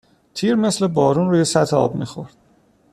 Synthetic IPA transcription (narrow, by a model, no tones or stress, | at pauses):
t̪ʰiːɾme̞sle̞bɒːɾuːnɾuːje̞sæt̪ʰeɒ̰ːbmḭːxo̞̰ɾd̪̥